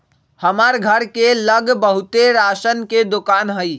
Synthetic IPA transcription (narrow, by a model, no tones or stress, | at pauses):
həmaɾɡʱəɾkeləɡbəɦut̪eɾasənked̪okaːnɦəj